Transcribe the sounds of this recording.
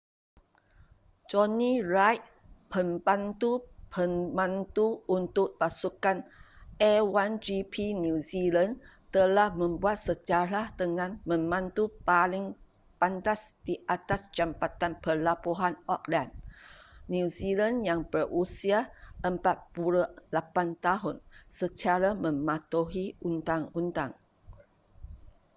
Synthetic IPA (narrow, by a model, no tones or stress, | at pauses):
d͡ʒɔnĩrajt̪̚ | pəmbant̪upʰəmbãnt̪uunt̪ʊk̚pasukanɛwand͡ʒipʰinũzilan | t̪əlahmə̃mbuat̪̚səd͡ʒaɾat̪əŋãnmə̃mãnt̪upalɪŋ | pant̪asd̥iʔat̪asd͡ʒampat̪anpərlapuɦanɔk̚lanː | uzilanjaŋbərusiaʔəmpat̪̚puɾulapant̪aɦʊnsət͡ʃaɾamə̃mãt̪uɦiunt̪aŋunt̪aŋ